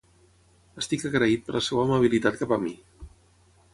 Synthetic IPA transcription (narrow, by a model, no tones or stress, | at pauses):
əst̪ikəɣɾəit̪̚pəɾləsewaːməβ̞ilit̪at̪̚kapəmi